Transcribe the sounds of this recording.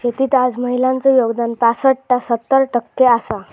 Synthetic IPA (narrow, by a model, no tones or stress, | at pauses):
d͡ʑet̪iːt̪ad͡zməɦilãnt͡sojoɡd̪anpasəʈʈːasət̪ːəɾʈəkːeasa